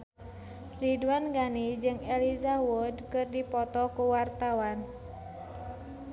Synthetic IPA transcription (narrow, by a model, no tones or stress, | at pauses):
ridwanɡanid͡ʒɨŋɛlizawudkɨrdipɔt̪ɔkuwart̪awan